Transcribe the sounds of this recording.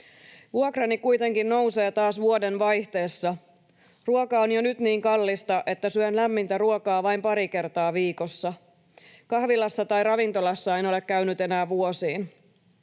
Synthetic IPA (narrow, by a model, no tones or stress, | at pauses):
ʋuokrɑnikujt̪e̞ŋkinːno̞wse̞ːt̪ɑːsʋuodenʋɑjht̪e̞ːsːɑ | ruokɑonjonyt̪niːŋkɑlːist̪ɑʔe̞t̪ːæsyønlæmːint̪æruokɑːʋɑjmpɑɾike̞rt̪ɑːʋiːko̞sːɑ | kɑhʋilɑsːɑt̪ɑjrɑʋint̪o̞lɑsːɑejno̞le̞kkːæynyt̪e̞næːʋuosiːn